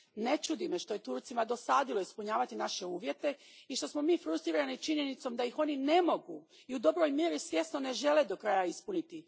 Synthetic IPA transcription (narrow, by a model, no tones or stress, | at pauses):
ne̞t͡ʃud̪ime̞ʃt̪o̞je̞t̪uɾt̪simad̪o̞saːd̪ilˠo̞ispuɲaːʋat̪inaʃe̞uːʋje̞t̪e̞iʃt̪o̞smo̞miːfɾust̪ɾiːɾanit͡ʃiɲe̞nit̪so̞md̪ajixo̞ːnine̞mo̞ɡu | iud̪o̞bɾo̞jmje̞ɾisʋje̞sno̞ne̞ʒe̞led̪o̞kɾaːjaispunit̪i